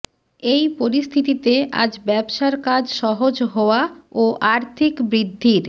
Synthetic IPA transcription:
ejpoɾist̪ʰit̪it̪ea̰d͡ʑbɛbʃaɾkad͡ʑʃɔɦod͡ʑɦɔoaoʔaɾt̪ʰikbɾid̪ʱːiɾ

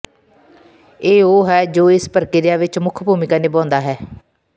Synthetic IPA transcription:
eːoːɦɛːd͡ʒoːɪspəɾkɪɾɪjaːʋɪt͡ʃmʊkʰbʱuːmɪkaːneːbɔ̃ːnd̪aːɦɛː

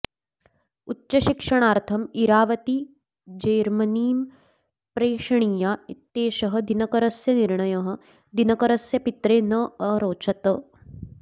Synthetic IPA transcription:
utːɕɐʃikʂɐɽ̃aːɾt̪ʰɐmiɾaːʋɐt̪i | d͡ʒeːɾmɐniːm | pɾeːʂɐɳ̃iːjait̪ːeːʃɐɦɐ̆d̪inɐkɐɾɐsjɐniɾɳɐjɐɦɐ̆ | d̪inɐkɐɾɐsjɐpit̪ɾeːnɐɐɾoːt͡ʃɐt̪ɐ

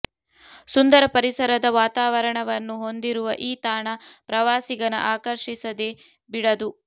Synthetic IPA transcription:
sund̪ɐɾɐpɐɾisɐɾɐd̪ɐʋaːt̪aːʋɐɾɐɳɐʋɐnːuɦo̞nd̪iɾuʋɐʔiːt̪aːɳɐpɾɐʋaːsiɡɐnɐ̰ʔaːkɐɾʃisɐd̪e̞ | biɽɐd̪u

